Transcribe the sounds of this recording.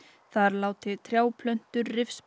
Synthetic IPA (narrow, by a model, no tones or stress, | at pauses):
θaɾlaːwt̪ɪt̪ʰɾjaːwpʰlœn̥t̪ʏɾrɪfs